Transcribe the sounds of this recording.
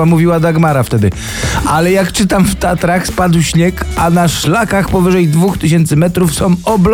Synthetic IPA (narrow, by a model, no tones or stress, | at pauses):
amuvʲiwad̪aɡmaɾaft̪ɛd̪ɘ | alɛjakt͡ʂɘt̪amft̪at̪ɾaxspad̪wɕɲekanaʂlakaxpɔvɘʐɛjd̪vuxt̪ɘɕ̬ɛnt̪sɘmɛt̪ɾufsɔ̃w̃ɔbl